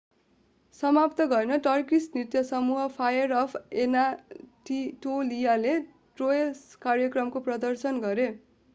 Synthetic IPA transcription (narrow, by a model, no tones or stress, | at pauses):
sʌmapt̪ʌɡʌenʌʈʌrkisnit̪jʌsʌmuɦʌpʰajʌrʌpʰenaʈiʈolijale | ʈroeskarjʌkrʌmkoprʌd̪ʌrsʌnɡʌɾe